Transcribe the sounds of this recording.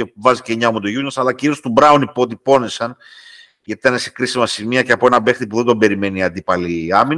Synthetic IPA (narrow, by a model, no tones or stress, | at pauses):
evɐziceɲɐomut̪oʝunosɐlɐciɾio̞st̪ubɾɐunipo̞t̪ipo̞nisɐn | ʝɐt̪it̪ɐnesekɾisimɐsimiɐceɐpo̞e̞nɐbe̞xt̪ipuðed̪o̞mbe̞ɾime̞niɐnd̪ipɐliɐmin